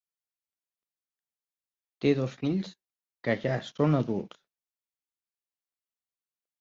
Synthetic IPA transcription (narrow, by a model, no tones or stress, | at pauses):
t̪eðosfiʎs | kəʒasonəðulˠs